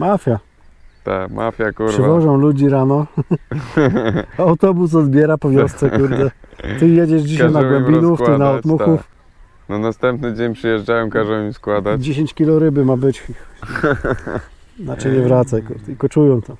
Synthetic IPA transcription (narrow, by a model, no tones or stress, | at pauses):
mafʲja | t̪a̰kmʔa̰fʲjakupɾʂɨvɔʐɔ̃w̃lud͡ʑiɾanɔ | awt̪ɔbus̬ɔd̪bʲjɛɾapɔvʲjɔst̪sɛkuɾd̪ɛt̪ɘjɛd͡ʑɛʐd͡ʑiɕajnaɡwɛmbʲinuft̪ɨnaɔmut̪xuf | nɔnast̪ɛmpnɘd͡ʑeɲpʂɨjɛʐd͡ʐawɛmkaʐɛiskwad̪ad͡ʑeɕ̬eɲt͡ɕkʲilɔɾɘbɘmabɘt͡ɕix | nat͡ʂɛɲɛvɾat̪sajkuɾd̪ɘlkɔt͡ʂujɔ̃w̃t̪ɔ